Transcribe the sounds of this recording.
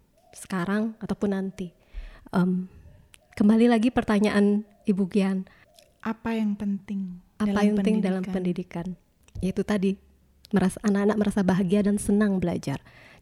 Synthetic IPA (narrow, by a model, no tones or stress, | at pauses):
sə̥kaɾaŋat̪awpʊnːant̪i | ʔəm | kəmbalilaɡipərt̪aɲaʔan | ibuɡian | ʔapajaŋpənt̪ɪŋ | aajaɪŋdalampəndidikan | jait̪ut̪adi | məɾasaʔːnakanak̚məɾasabaɦaɡiadansənaŋbəla̰d͡ʒar